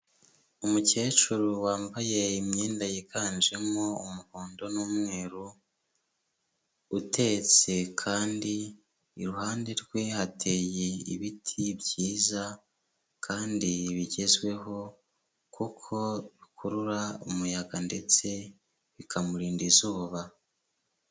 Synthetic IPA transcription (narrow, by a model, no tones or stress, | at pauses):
umuce̞ːt͡ʃuɾuwaːmbaje̞imɲeːndajikaːnd͡ʒe̞moumuhoːndo̞nuːmŋe̞ːɾu | tʰe̞t͡se̞kʰaːndiː | ɾuhaːndeɾɡwe̞hatʰe̞jeḭβitʰiβjiːza | kʰaːndiβiɟe̞zwe̞ɦo̞ | kukʰo̞βikʰuɾuɾaomujaɡande̞t͡se̞ | βikʰamuɾiːndizuːβa